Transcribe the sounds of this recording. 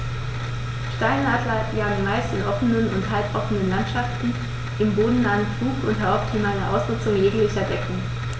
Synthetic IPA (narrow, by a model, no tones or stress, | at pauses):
ʃtaɪnaːdlɐjaːŋənmaɪstɪnʔɔfənənʊ̰nthalpʔɔfənənlantʃaftn̩ | ʔɪmboːdn̩naːənfluːkʊntɦaʊp̚tʰɪmaɪnɐʔa̰ʊsʁʊt͡sʊŋjeːɡŋklɪçɐdɛkŋ̩